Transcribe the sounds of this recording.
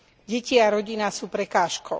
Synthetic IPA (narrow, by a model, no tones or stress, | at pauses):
ɟɛciaɾɔɟinasuːpɾɛkaːʃkɔʊ